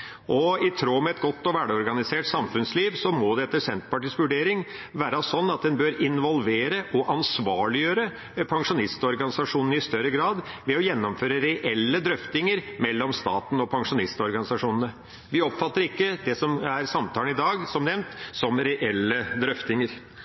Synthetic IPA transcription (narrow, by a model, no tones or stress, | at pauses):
ʔɔɪt̪ʰɾoːmɛɛt̪ɡɔt̪ːɔʋæɖəɔɾɡɑnɪseːʈsɑmfʉnsliːʋsɔmɔd̪ɛɛt̪ːəʂɛnt̪pɑʈiːsʋʉɖeːɾɪŋ | ʋæːɾɑsɔnːɑt̪̚d̪ɛnbøːɾɪnʋɔlʋeːɾəʔɔʔɑnsʋɑːɭɪjøːɾə | pʰɑŋʂʊnɪst̪ɔɾɡɑnɪsɑʂuːnənəɪst̪œɾːəɡɾɑːd̪ʋɛɔjɛnːɔmføːɾəɾɛʔɛlːəd̪ɾœft̪ɪŋəɾmɛlːɔmst̪ɑ̰ːt̪n̩ɔpʰɑŋʂʊnɪst̪ɔɾɡɑnɪsɑʂuːnənə | ʋɪɔpfɑt̪ːəɾɪkːəd̪ɛsɔmæɾsɑmt̪ʰɑːlənɪd̪ɑːɡsɔmnɛʋnt̪sɔmɾɛʔɛlːəd̪ɾœft̪ɪŋəɾ